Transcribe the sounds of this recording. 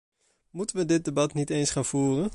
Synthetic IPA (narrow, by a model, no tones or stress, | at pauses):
mutənʋədɪt̚debɑtnitejnsχaːnfuːrən